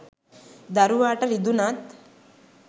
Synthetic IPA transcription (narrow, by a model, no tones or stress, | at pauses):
d̪aɾuʋaːʈɐɾid̪unat̪